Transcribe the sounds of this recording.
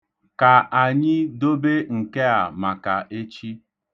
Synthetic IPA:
ka˨ʔa˨ɲɪ˦do˦be˦ŋ̩˨ke˦a˨ma˨ka˨ʔe˦t͡ʃi˦

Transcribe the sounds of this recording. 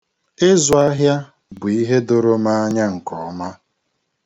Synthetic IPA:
e˦zʊ˨a˦ɦja˦ | bʊ˨i˦ɦe˦dʊ˦ɾʊ˦ma˦a˦ɲa˦ŋ̩˨kɔ˨˦ma˦

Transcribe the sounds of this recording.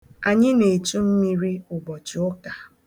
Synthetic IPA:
a˨ɲɪ˦ne˨tu˦m̩˦mi˦ɾi˦ʊ˨bɔ˨t͡ʃi˨ʊ˦ka˨

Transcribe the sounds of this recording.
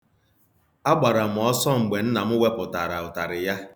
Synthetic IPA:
a˦ɡ͡ba˨ɾa˨m̩˨ɔ˦sɔ˦ŋ͡m̩˨ɡ͡be˨n̩˦na˨m̩˦we˦pʊ˨ta˨ɾa˨ʊ˨ta˨ɾɪ˨ja˦

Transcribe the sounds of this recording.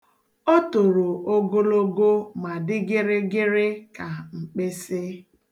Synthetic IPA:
o˦to˨ɾo˨ʔo˦ɡo˦lo˦ɡo˦ma˨dɪ˦ɡɪ˦ɾɪ˦ɡɪ˦ɾɪ˦ka˨ŋ͡m̩˨k͡pe˦sɪ˦

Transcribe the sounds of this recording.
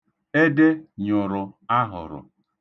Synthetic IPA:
e˦de˦ɲʊ˨ɾʊ˨a˦ɦʊ̰˨ɾʊ̰˨

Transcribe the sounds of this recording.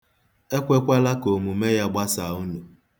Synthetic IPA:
e˦kʷe˦kʷa˦la˦ko˨mu˨me˦ja˦ɡ͡ba˦sa˨u˦nu˨

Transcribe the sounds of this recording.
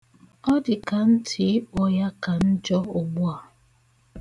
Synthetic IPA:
ɔ˦dɪ˨ka˨n̩˦tʰɪ˨˦ɪ˦k͡pɔ˦ja˦ka˨n̩˦d͡ʒɔ˦ʊ˨ɡ͡bʊ˦a˨

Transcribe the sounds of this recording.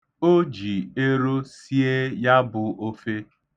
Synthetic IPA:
o˦d͡ʒi˨e˦ɾo˦si˦e˦ja˦bʊ˨ʔo˦fe˦

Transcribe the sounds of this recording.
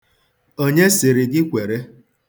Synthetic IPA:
o˦ɲe˦sɪ˨ɾɪ˨ɡɪ˦kʷe˨ɾe˦

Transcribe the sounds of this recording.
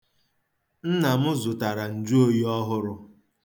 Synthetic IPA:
n̩˦na˨mʊ˦zʊ˨ta˨ɾa˨n̩˨d͡ʒu˦o˦ji˦ɔ˦ɦʊ˦ɾʊ˦

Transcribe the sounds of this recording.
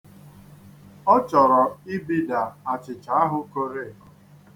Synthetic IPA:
ɔ˦t͡ʃɔ˨ɾɔ˨ɪ˦bi˦da˨a˨t͡ʃɪ˨t͡ʃa˨a˦ɦʊ˦ko˦ɾe˦˨

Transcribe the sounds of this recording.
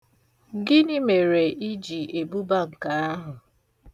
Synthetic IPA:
ɡɪ˦nɪ˦me˨ɾe˨ʔi˦d͡ʒi˨e˨bu˦ba˦ŋ̩˨ka˨a˦ɦʊ˨

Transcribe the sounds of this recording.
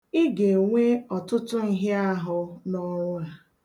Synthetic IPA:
ɪ˦ɡe˨ŋʷe˦ɔ˨tʊ˦tʊ˦ni˦ɦɪ˦a˦ɦʊ˦nɔ˦ɾʊ˦a˨

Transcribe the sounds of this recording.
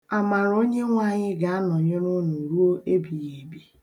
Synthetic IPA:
a˨ma˨ɾo˦ɲe˦ŋʷa˦˨ɲɪ˦ɡa˨a˦nɔ˨ɲe˦ɾo˦nu˨ɾu˦o˦ʔe˦bi˨je˨bi˦

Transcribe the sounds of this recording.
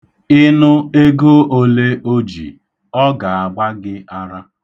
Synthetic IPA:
ɪ˦nʊ˦e˦ɡo˦ʔo˦le˦o˦d͡ʒḭ˨ | ɔ˦ɡa˨a˨ɡ͡ba˦ɡɪ˦a˦ɾa˦

